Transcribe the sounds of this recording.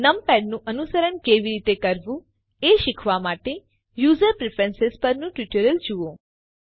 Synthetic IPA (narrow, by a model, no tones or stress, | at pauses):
nəmpɛɖnũʔənusəɾənkeʋiɾit̪ekəɾʋũ | eʃɪkʰʋamaʈe | juzəɾpɾefʰɾensɪzpəɾnũʈʋiʈəɾəld͡ʒuõ